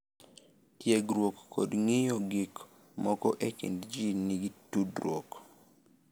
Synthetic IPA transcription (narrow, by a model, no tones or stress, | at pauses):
tjeɡɾwokːodŋijoɡɪk | mɔkɔʔekḭndd͡ʒiniɡitudɾwok